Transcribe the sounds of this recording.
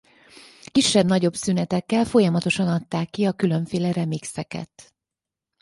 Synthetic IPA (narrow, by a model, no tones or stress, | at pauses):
kiʃːɛbnɒɟo̞bsynɛt̪ɛkːɛlfo̞jɒmɒt̪o̞ʃɒnɒt̪ːaːkːiɒkylø̞ɱfeːlɛɾɛmiksɛkɛ̰t̪